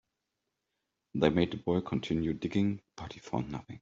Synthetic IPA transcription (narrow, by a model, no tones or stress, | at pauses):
ðeɪmeɪd̚ðəbɔɪkʰɔ̃ntʰɪ̃njudɪɡɪ̃ŋpʰɑɾʰifɔ̰nʌθɪ̰̃ŋ